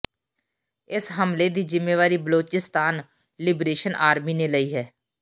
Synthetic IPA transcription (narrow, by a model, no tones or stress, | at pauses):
ɪsɦəmleːd̪iːd͡ʒɪmːeːʋaːɾiːbəloːt͡ʃɪst̪aːn | lɪbɾeːʃənʔaːɾmiːneːləiːɦɛː